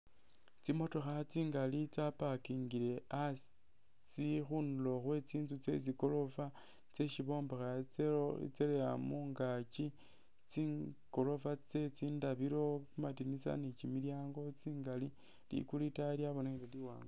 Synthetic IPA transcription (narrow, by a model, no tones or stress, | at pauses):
t͡simo̞to̞xat͡siːŋɡalit͡sapakiŋɡile̞as | t͡sixunulo̞xwe̞t͡siːnzut͡se̞̰t͡siko̞lo̞fa | t͡se̞ʃiβo̞ːmbaxat͡sḛt͡seleamuːŋɡat͡ʃi | t͡siko̞lo̞fat͡se̞t͡siːndaβiɾo̞kumatinisa̰nit͡ʃimiljaːŋɡo̞t͡siːŋɡali | lḭkulitaljaβoneileliwa̰ːŋɡa